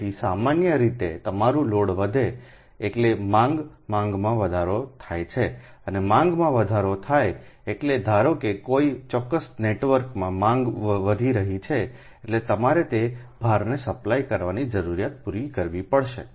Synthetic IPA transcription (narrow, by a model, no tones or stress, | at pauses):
isamanjəɾit̪et̪əmaɾũloɽʋəd̪ʱe | eʈlemãŋɡ | mãŋɡmãʋəd̪ʱaɾot̪ʰajt͡ʃʰe | ənemãŋɡmãʋəd̪ʱaɾot̪ʰajeʈled̪ʱaɾokekoit͡ʃɔkːəsneʈʋəɾkmãmãŋɡʋəd̪ʱiɾəɦit͡ʃʰeː | ʈlet̪əmaɾet̪ebʱaɾnesəplajkəɾʋanid͡ʒəɾuɾijat̪̚puɾikəɾʋipəɭʃḛ